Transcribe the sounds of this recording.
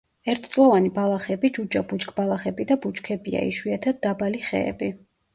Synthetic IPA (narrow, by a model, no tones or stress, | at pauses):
ɛɾt̪ʰt̪sʼlˠɔvanibalˠaχɛbid͡ʒud͡ʒabut͡ʃkʼbalˠaχɛbid̪abut͡ʃkʰɛbia̰ḭʃwiat̪ʰad̪̚d̪ːabaliχɛ̰ːbi